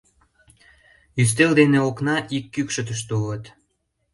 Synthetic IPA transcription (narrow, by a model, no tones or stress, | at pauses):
jys̬t̪eld̪eneoknɑʔikːykʃət̪əʃ̬t̪olət̪